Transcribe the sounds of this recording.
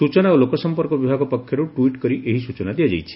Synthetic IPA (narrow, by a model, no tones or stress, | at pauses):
sut͡ʃɔnaolokɔsɔmpɔɾkɔbibʱaɡɔpɔkʰːjɔɾuʈuiʈkɔɾiʔeɦisut͡ʃɔnad̪ijad͡ʒa̰jt͡ʃʰi̥